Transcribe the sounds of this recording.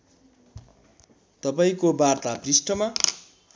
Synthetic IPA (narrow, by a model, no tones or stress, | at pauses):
t̪ʌpaĩkobart̪aprisʈʌma